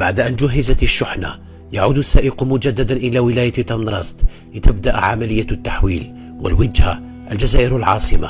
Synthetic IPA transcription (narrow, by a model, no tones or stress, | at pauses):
baʕd̪ʔænd͡ʒʊɦːəzæt̪ʃːʊħna̰ | jaʕud̪ʊsːæʔɪqumʊd͡ʒæd̪ːæd̪anʔəlæwɪlæjat̪t̪ɑmnɾˤɑsˤt̪ | lət̪əb̚d̪aʔʕamæləjːæt̪ːaħwḭl | wə̰lwad͡ʒha̰ | ʔəld͡ʒæzæʔəɾəlʕɑ̰sˤəma̰